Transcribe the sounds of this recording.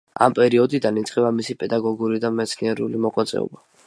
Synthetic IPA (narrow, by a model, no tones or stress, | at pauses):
a̰mpʼɛɾiɔd̪id̪anit̪sʼqʼɛbamisipʼɛd̪aɡɔɡuɾid̪amɛt̪sʰniɛɾulimɔqʼwat̪sʼɛ̰ɔ̰ba